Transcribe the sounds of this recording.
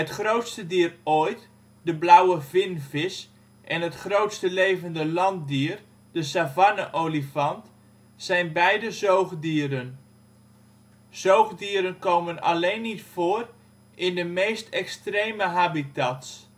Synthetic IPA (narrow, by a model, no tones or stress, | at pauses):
ətχrowtstədiːərojt | dəblawəvɪnvɪs | ʔɛnɦətχrowtstəlejvəndəlɑnt̚diːr | d̥əsavanəʔolifɑnt | sɛjnbɛjdəzowχdiəɾən | z̥owɣdiːɾənkoːməna̰lejnːitfoːr | ʔɪndəmejstɛkstrejməɦaːbitats